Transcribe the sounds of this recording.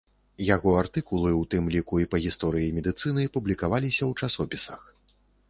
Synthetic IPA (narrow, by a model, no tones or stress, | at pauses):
jaɣɔart̪ɨkulˠɨwt̪ɨmlʲikuipɐɣʲist̪ɔɾɨjimʲɛd̪ɨt̪sɨnɨjpublʲikavalʲisʲɐwt͡ʂasɔpʲisɐ̰x